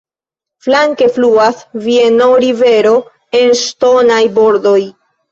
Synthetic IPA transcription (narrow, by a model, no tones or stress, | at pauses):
flaŋke̞fluasvienoɾive̞ɾo̞ | e̞nʃto̞najbo̞ɾdo̞j